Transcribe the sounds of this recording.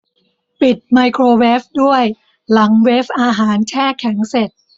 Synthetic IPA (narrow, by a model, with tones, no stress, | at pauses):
pi˨˩t̪̚maː˧jkʰɾoː˧weː˦˥p̚du˥˩əj | la˩˦ŋweː˦˥p̚ʔaː˧ɦaː˩˦nt͡ɕʰɛː˥˩kʰːɛ˩˦ŋse˨˩t̪̚